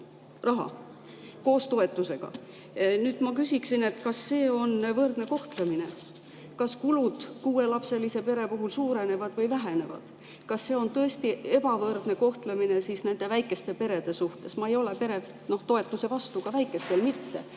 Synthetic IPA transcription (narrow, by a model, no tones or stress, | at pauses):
rɑɦɑ̰ | ko̞ːst̪o̞e̞t̪ːˑuse̞ɡ̥ɑ̰ | nyːd̪̥mɑkysʲiksine̞t̪ːkɑsːe̞ːo̞nvɤrd̪̥ne̞ko̞ht̪lemine̞ | kɑskulud̪̥kuːe̞lɑpse̞lise̞pe̞ɾe̞puɦulsuːɾe̞ne̞vɑd̪̥vɤjvæɦe̞ne̞vɑ̰d̪̥ | kɑsːe̞ːo̞nt̪ɤ̞e̞st̪ie̞bɑvɤrd̪ne̞ko̞ht̪lemine̞siːsne̞nd̪e̞væjkˑːe̞st̪e̞pe̞ɾe̞d̪̥e̞suht̪e̞smɑe̞jo̞le̞pe̞ɾe̞ | no̞ht̪o̞e̞t̪ːˑuse̞vɑst̪ukɑvæjkːˑe̞st̪elmit̪ːe̞̰